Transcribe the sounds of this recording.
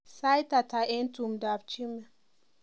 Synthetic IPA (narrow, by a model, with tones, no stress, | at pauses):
sa˦jta˨ta˨ʔɛ˦ntu˨mda˨bt͡ʃi˦mɛ˨